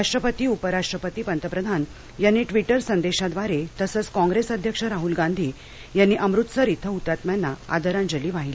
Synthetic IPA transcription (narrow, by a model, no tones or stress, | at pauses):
aʂʈɾəpət̪iːupəɾaʂʈɾəpət̪iːpənt̪əpɾəd̪ʱan | janːiːʈʋiʈəɾsənd̪eɕad̪ʋaɾet̪əsət͡skɔ̃ŋɡɾesəd̪ʱjəkʂəɾaɦulɡãnd̪ʱiː | janːiːʔəmɾut̪səɾit̪ʰəut̪ɾat̪mjanːaa̰d̪əɾãnd͡ʑəliːʋaɦili